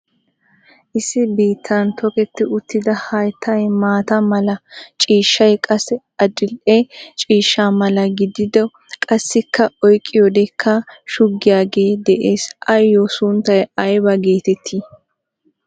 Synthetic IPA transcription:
ʔɪsːɪbiːt̪ʰːɐnt̪ɔkɛt̪ːɪʊt̪ːɪd̪ɐhɐjt̪ʰːɐjmaːt̪ɐmɐlɐt͡ʃʼiːʃːɐjkʼɐsːɛ | ɐd͡ʒɪlʔet͡ʃʼiːʃːaːmɐlɐɡɪd̪ɪd̪ɛ | kʼɐsːɪkʰːɐɔjkʼːɪjɔd̪ɛkʰːɐʃʊɡːɪjaːɡe̞ːd̪ɛʔeːsʔɐjːosʊnt̪ːɐjɐjbɐɡe̞ːt̪ɛt̪ʰːiː

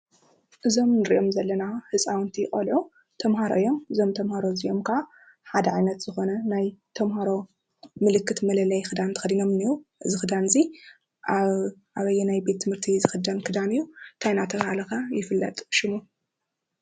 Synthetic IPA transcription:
ʔɨzo̞mnɨɾiʔomzɐlːɐnahɨt͡sʼawnt̪ʰikʼɐlʕu | t̪ʰɐmɦaɾoʔɨjo̞mɨzo̞mt̪ʰɐmhaɾoziʔo̞mkʰɐʕa | ħad̪ɐʕajnɐt̪z̥ɨxo̞nɐnajt̪ʰɐmhaɾo̞ | mɨlɨkːɨt̪mɐlɐlɐjxɨd̪ant̪ʰɨ̥xɐd̪ino̞mniɾuʔɨzɨxɨd̪anɨzi | aʔaβɐjːɛnajbe̞t̪ʰːɨmhɨɾt̪ʰizɨxɨd̪ankʰɨd̪anɨjːut̪ʰajnat̪ʰɐshalɐkajɪfɨlːɐ̰t̪ʼʃɪmu

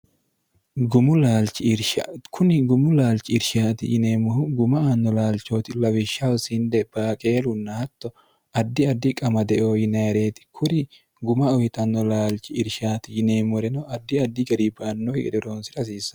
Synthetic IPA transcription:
ɡʊmʊlaːlt͡ʃːɪɾʃakʰʊnɪɡʊmʊlaːlt͡ʃɪɪɾʃaːt̪ɪjɪneːmʊhʊɡʊmɐanːɔlaːlt͡ʃːo̞ːt̪ɪlɐwɪʃːɐwsɪnd̪ɛb̥aːkʼe̞ːlʊnːɐhɐt̪ːɔ | ɐd̪ːɪɐd̪ːɪkʼɐmɐd̪ɛʔoːjɪnɐjɾe̞ːt̪ɪ̥kʰʊɾɪ | ɡʊmɐɔhɪt̪ʼɐnːɔlaːlt͡ʃɪɪɾʃaːt̪ɪjɪneːmɔɾɛnɔɐd̪ːɪɐd̪ːɪɡɐɾibɐːnːohɪɡɛ̰d̪ɛɾoːnsɪɾɐs̬iːsːɐ̥

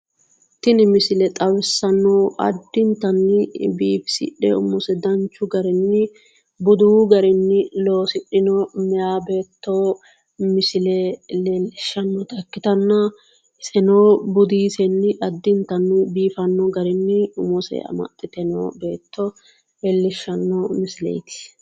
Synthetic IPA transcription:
t̪ɪnɪmɪsɪlɛt̪ʼɐwɪsːɐnːoːʔɐ̰d̪ːɪnt̪ɐnːɪbiːfsɪ̰ᶑɛ̰ʊmɔsɛd̪ɐnt͡ʃːʊɡɐɾɛnːɪ | bʊd̪uɡɐɾɛnːɪlo̞ːsɪɗɪnɔmɛjaːbe̞ːt̪ːoː | mɪsɪlɛleːlːɪʃːɐnːɔt̪ɐkːɪt̪ɐnːɐ | sɛnoːbʊd̪iːsɛnːɪʔɐd̪ːɪnt̪ɐnːɪbiːfɐnːɔɡɐɾɪnːɪʊmɔsɛ̰ɐ̰mɐ̰t̪ʼːɪt̪ɛno̰ːbe̞ːt̪ʰːɔ | lɛlːɪʃːɐnːɔmɪsɪlɛ̰jt̪ɪ̥

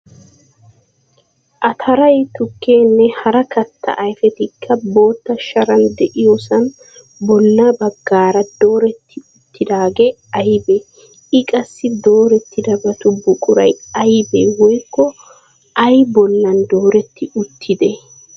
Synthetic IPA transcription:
ʔɐt̪ʰɐɾɐjt̪ʊkːe̞ːnːɛhɐɾɐkɐt̪ːɐ̰ʔɐjfɛt̪ɪkʰːɐbo̞ːt̪ːɐʃɐɾɐnd̪ɛʔɪjosɐn | bɔlːɐbɐɡːaːɾɐd̪̥o̞ːɾɛt̪ːɪʊt̪ːɪd̪aːɡɛ | ɐjbeː | ɪkʼɐsːɪd̪o̞ːɾɛt̪ːɪd̪ɐbɐt̪ʊbʊkʼʊɾɐ̰jɐjbeːwɔjkːɔ | ʔɐjbɔlːɐnd̪oːɾɛt̪ːɪʊt̪ʰːɪd̪ɛ

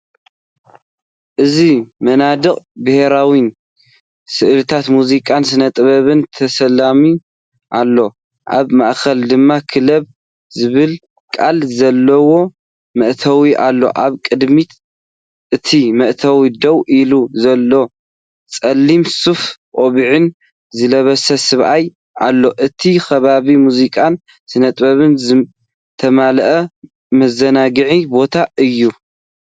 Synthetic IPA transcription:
ʔɨzimɐnad̪ɨkʼbɨheɾawin | sɨʔlɨt̪ʰat̪muzikʼansɨnɐt̪ʼɨβɐβɨnt̪ʰɐsɐlami | ʔalːo̞ | ʔaβma̰ʔkʰɐld̪ɨmːakʰɨlɐβ̚ | zɨβɨl | kʼalzɐlːɐwo̞ | mɐʔt̪ʰɐwiʔalːo̞̰ʔaβkʼɨd̪mit̪ | ʔɨt̪ʰimɐʔt̪ʰɐwid̪ɐwʔiluzɐlːo̞ | t͡sʼɐlːimsufʔʼoβiʕin | zɨlɐβɐsɐsɨβʔaj | ʔalːo̞ʔɨt̪ʰixɐβaβimuzikʼan | sɨnɐt̪ʼbɐβɨnz | t̪ʰɐmalʔɐ | mɐzɐnaɡɨʕibo̞t̪ʰaʔɨjːu

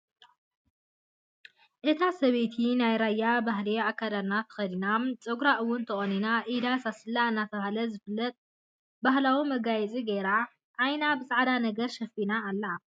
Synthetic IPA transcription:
ʔɨt̪ʰasɐβet̪ʰinajɾajːabaɦliakʰːad̪alnat̪ʰɐ̥xɐd̪inamt͡sʼɐɡɾaʔɨwːʊnt̪ʰɐχʼoninaʔid̪asasɨlːaɨnːat̪ʰɐβahalɐzɨfɨlːɐt̪ʼ | bahlawimɐɡajɛt͡sʼiɡeɾa | ʔːjnabɨsʼaʕd̪anɐɡɐɾʃɐfinaːlːɐ

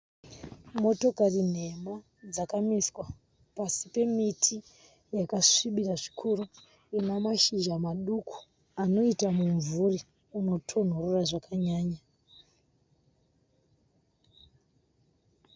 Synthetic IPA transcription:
mo̞to̞karin̤e̞ma | d͡zakamiswa | pasipe̞mitʰi | jakaʂiɓiraʐi̥kʰuɾu | enamaʃiʒamaɗuku̥ | ano̞itamuɱvuri | uno̞tʰo̞n̤ororaʐakaɲaːɲa

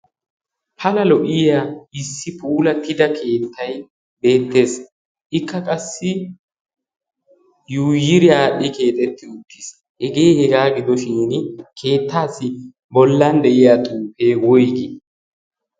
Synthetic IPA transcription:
pʰɐlɐlɔʔɪjaːɪsːɪpʰuːlɐt̪ɪd̪ɐkʰe̞ːt̪ʰːɐj | be̞ːt̪ːe̞ːs | ʔɪkʰːɐkʼɐsːɪ | juːjɪɾɪaːɗɪke̞ːt̪ʼɛt̪ːɪʊt̪ːɪs | ʔɛɡeːhɛɡaːɡɪd̪ɔʃɪnnkʰe̞ːt̪ʰːaːsːɪ | bɔlːɐnd̪ɛʔɪjat̪ʼuːpe̞ːwɔjɡe

